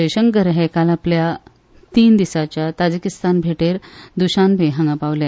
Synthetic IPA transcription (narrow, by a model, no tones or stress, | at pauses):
əjɕəŋkəɾɦekalaplja | t̪iːnd̪isat͡ɕjat̪ad͡ʑikist̪anbʱeʈeɾd̪uɕanbʱeɦãŋɡapaʋlja